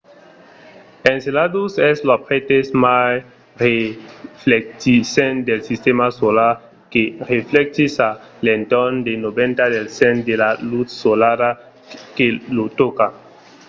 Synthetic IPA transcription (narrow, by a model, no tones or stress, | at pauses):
ẽnseladusɛslapɾet̪esmaj | reflek̚tisend̪elsist̪emasolaɾ | kereflɛk̚t̪isalent̪ɔnd̪enobẽnt̪adelsend̪elalut̪solaɾa | kelot̪oka